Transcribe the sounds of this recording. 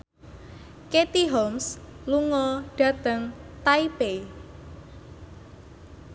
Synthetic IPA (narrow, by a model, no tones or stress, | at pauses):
ket̪iɦɔms | luŋɔɖ̥ä̤t̪əŋt̪aipe